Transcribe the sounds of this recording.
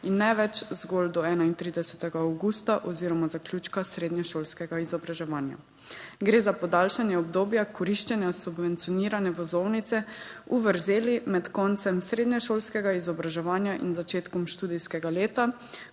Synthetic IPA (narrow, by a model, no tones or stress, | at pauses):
inːɛʋɛt͡ʃzɡoːld̪ɔɛːnaint̪ɾiːd̪ɛsɛt̪ɛɡaːwɡust̪aʔɔziːɾɔmazakljuːt͡ʃkasɾeːd̪nɛʃoːlskɛɡaizɔbɾaʒɛʋaːnja̰ | ɡɾeːzapɔd̪alʃanjɛɔbd̪oːbjakɔɾiʃt͡ʃɛnjasubʋɛnt̪sijɔniːɾanɛʋɔzownit̪sɛuʋəɾzeːlimɛt̪kɔnt̪sɛmsɾeːd̪nɛʃoːlskɛɡaizɔbɾaʒɛʋaːnjaʔḭnzat͡ʃeːt̪kɔmʃt̪uːd̪iskɛɡaleːt̪a